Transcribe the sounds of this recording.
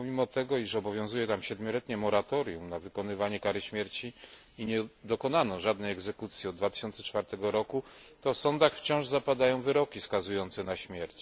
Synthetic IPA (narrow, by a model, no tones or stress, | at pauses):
ɔmʲimɔt̪ɛɡɔiʂɔbɔvʲjɔ̃w̃zujɛt̪amɕɛd̪mʲjɔlɛt̪ɲɛmɔɾat̪ɔɾjumnavɘkɔnɘvaɲɛkaɾɘɕmʲjɛɾt͡ɕi | iɲɛd̪ɔkɔnanɔ̃ʐad̪nɛjɛɡzɛkut̪sʲjiɔd̪d̪vat̪ɘ̥ɕɔnsɛ̥t͡ʂfaɾt̪ɛɡɔɾɔkut̪ɔfsɔnd̪axft͡ɕɔ̃w̃ʐzapad̪ajɔ̃w̃vɘɾɔkʲiskazujɔnt̪sɛnaɕmʲjɛɾt͡ɕ